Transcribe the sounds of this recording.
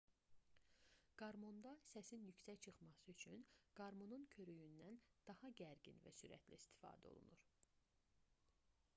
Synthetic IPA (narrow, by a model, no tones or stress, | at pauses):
ɡ̥ɑɾmo̞nd̪ɑsæsinjycsæct͡ʃʰɯχmɑsɯyt͡ʃʰynɡ̥ɑɾmo̞nuncʰø̞ɾyjynd̪ænd̪̥ɑhɑɟæɾɟḭnvæ̰syɾæ̰t̪ʰliist̪ʰi̥fɑ̰ːd̪æo̞̰lˠṵnuɾ